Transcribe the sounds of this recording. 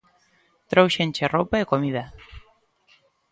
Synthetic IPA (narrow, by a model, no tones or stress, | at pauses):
t̪ɾowʃenʲt͡ʃeropaekomið̞a